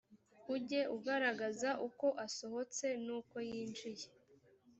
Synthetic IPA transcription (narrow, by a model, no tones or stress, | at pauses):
uɟe̞ʔuɡaɾaɡazaʔuko̞ʔaso̞ɦo̞t͡se̞nuːko̞jiːnʒije